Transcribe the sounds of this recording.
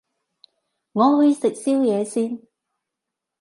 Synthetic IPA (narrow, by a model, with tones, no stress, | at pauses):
ŋɔː˨˧wu˨˧jsɪ˨k̚siː˥wjɛː˨˧siː˥n